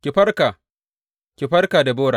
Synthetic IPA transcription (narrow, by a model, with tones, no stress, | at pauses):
kʲɪ˨ɸɐ˦rkaː˨ | kʲɪ˨ɸɐ˦rkaː˨da˨boː˦ɽaː˨